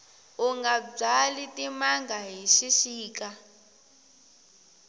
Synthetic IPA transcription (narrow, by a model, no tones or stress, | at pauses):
uŋɡab͡ʐalitʼimaŋɡaɦiʃiʃiːka